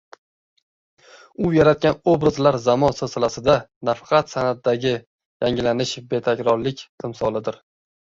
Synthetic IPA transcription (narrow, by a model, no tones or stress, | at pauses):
ʊjaɾat̪̚kʲanobɾazlaɾzamɒnsosalasɪd̪anafɑ̥qʰɑt̪sanat̪̚d̪aɡʲɪ | jaŋɪlanɪʃbe̞t̪ʰakʲɾɒɾlɪkʲqʰɪmsɒlˠɪd̪ɪɾ